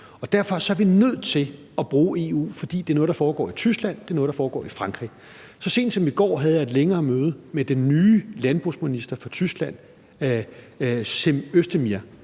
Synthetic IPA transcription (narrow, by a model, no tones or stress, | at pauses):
ɒ̽d̥æɐfɒ̽sɒ̽æɐʋinøð̞̰ˠt͡sʰe̝l | ɒb̥ʁuːe̝ːṵːfɒ̽d̥ḭːd̥eæɐnɔ̽ːðˠd̥ɑfɒːɡ̥ɒ̰ːit͡sʰysɡ̥læn̰d̥e̝ɐnɔ̽ðˠdɑ̈fɒːɡ̥ɒ̰ːifʁɑ̈ŋɡ̥ʁḭ | sɒ̽se̝̰ːn̥sɒ̽miɡ̥ɒ̰ːɦɛð̞̩ˠjɑ̈e̝d̥leŋɐːmøːð̞̩ˠmed̥enːyːlænb̥ʁusminisd̥ɐfɒ̽t͡sʰysɡ̥læn̰ | seøsd̥əmiɐ